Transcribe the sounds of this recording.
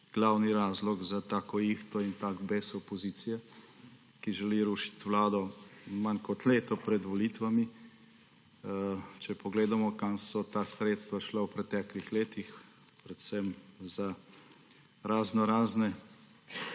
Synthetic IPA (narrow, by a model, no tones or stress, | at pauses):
ɡ̥laːwniɾaːzlɔɡzat̪aːkɔixt̪ɔint̪aɡbesɔpɔziːt̪sijɛ | kiʒɛliɾuːʃi̥t̪ʋlaːd̪ɔmankɔt̪leːt̪ɔpɾɛd̪ʋɔlit̪ʋami | t͡ʃɛpɔɡleːd̪amɔkansɔt̪aːsɾeːt̪st̪ʋaʃlawpɾɛt̪ɛːklixleːt̪ix | pɾɛt̪sɛmza | ɾaznɔɾaːznɛ